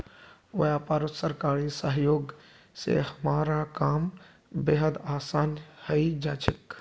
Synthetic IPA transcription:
ʋɐjapaːɾət̪səɾkaːɾisəɦjoːɡ | sḛhɐmaːɾakaːm | bɪɦəd̪aːsaːnhəid͡ʒaːt͡ʃʰɪk

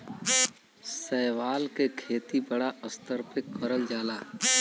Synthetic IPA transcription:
sɛːwaːlkekʰeːt̪ibəɽaəst̪əɾpʰɪkːəɾəld͡ʒaːlaː

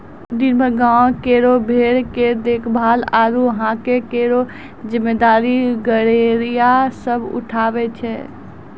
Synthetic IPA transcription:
d̪inbʱəɾɡãkeɾobʱeɽked̪ekʰbʱalaɾuəɦãkekeɾo | d͡ʒimːed̪aːɾiɡəɾeɾijasəbʱṵʈʰabɛt͡ʃʰɛ

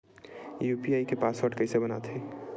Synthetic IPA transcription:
juːpiaːikepaːsəʈkəjsebəna̰t̪ʰi

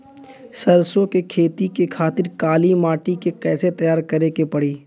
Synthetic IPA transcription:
sɐɾsõkekʰeːt̪ikekʰaːt̪ɪɾkaːlimaːʈikekɛːset̪ɐjaːɾkɐɾekepɐɽiː

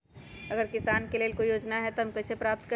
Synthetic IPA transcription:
ɐɡəɾkɪsaːnkeleːlkoijoːd͡ʒnaɦɛt̪oɦɐmkɐt͡ʃʰepɾaːp̚t̪kə

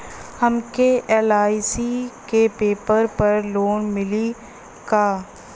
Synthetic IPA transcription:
hɐmkeʔɛːlaːisikepeːpəɾpɐɾloːnmɪli | kaː

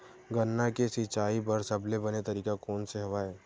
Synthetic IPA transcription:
ɡɐnːakesit͡ʃaːipɐɾsɐblebɐnet̪ɐɾiːkakɔːnseɦoʋaːeː

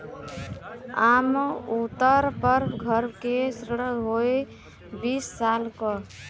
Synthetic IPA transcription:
amut̪ːəɾpəɾɡʱəɾkesɾəɽəɡɦoj | bisːalkɔ

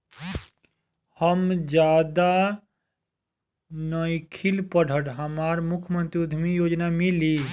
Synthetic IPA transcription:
həmd͡ʒjaːd̪a | nəikʰilpəɽ̤ʱəɽɦəmaɾmʊkʰjmə̃nt̪ɾiud̪ʱmijoːd͡ʒnamili

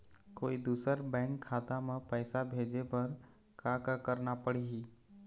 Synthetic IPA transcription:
koːid̪uːsəɾbɛ̃ːŋkʰːaːt̪amẽpɛːsabʱeːd͡ʒepɐɾ | kakakəɾnapəɽiɦiː

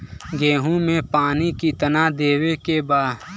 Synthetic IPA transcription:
ɡeːɦũmẽpaːnikit̪ənad̪eːwekebaːd

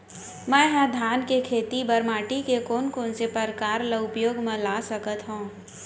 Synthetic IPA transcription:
mɛ̃ɦãd̪ʱaːnkekʰeːt̪ibəɾmaːʈikekoːnkoːnsepəɾkaːɾləʊpjoːɡmẽlaːsəkət̪ɦõː

